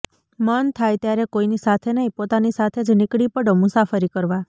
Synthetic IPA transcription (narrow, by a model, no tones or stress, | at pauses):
mənt̪ʰajt̪jaɾekoinisat̪ʰenəɦĩpot̪anisat̪ʰed͡ʒnɪkɽipəɽomʊsafəɾikəɾʋa